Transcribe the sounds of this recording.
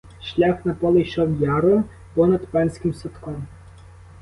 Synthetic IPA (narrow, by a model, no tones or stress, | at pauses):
ʃlʲaxnɐpɔlˠɪjʃɔwjɑɾɔ | pɔnɐd̪pɛnʲsʲkʲɪmsɔt̪kɔm